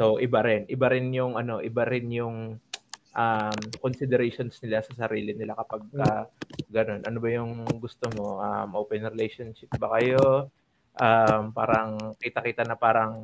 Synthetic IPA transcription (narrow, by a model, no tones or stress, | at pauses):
so̞wʔɪbaɾɪnʔɪbaɾɪnjʊŋʔɐno̞ʔɪbaɾɪnjʊŋ | ʔamkonsɪd̪ɛɾɛjʃo̞nsnɪlasɐsɐɾiːlɪnɪlakɐpaɡ̚ɐɡɐno̞nʔɐnobɐjʊŋɡʊst̪omo̞ʔa̰mʔoːpɛnɾɛlɛjʃonʃɪp̚bɐkɐjo̞ | ʔampa̰ːɾɐŋkiːt̪ɐkiːt̪ɐnɐpaːɾɐŋ